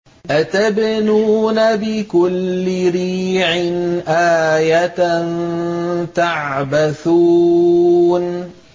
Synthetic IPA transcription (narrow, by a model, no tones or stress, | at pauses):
ʔat̪abnuːnabɪkʊlːɪɾiːʕɪnʔaːjatn | t̪aʕʕbaθuː | n